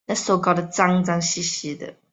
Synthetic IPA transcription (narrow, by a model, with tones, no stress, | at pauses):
na˥˩so˨˩kɑ˨˩ʊd̪ə˨t͡sa˥˦ŋt͡sa˧ŋɕi˥˧ɕi˧d̪ə̰˨